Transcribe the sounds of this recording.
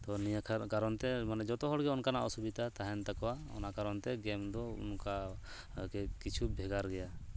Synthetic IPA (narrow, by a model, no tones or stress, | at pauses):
t̪ɔnijakʰakaɾɔnt̪ɛmanɛd͡ʒɔt̪ɔɦɔɽɡɛɔnkanaʔɔsubit̪at̪aɦɛnt̪akɔwaɔ̰nakaɾɔnt̪ɛɡɛmd̪ɔṵnka | kɛkit͡ʃʰubʱɛɡaɾɡɛja